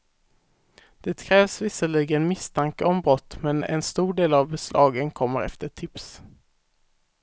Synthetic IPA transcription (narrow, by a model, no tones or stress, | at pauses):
d̪̥ɛt̪kʰɾɛːvsvɪsəɭiɡənmɪst̪ʰaŋkəɔmbɾɔt̪ːmɛnɛ̰nst̪uːɖeːlavbɛslʔɑːɡənkʰɔmːəɾɛ̰ft̪əʈʰɪps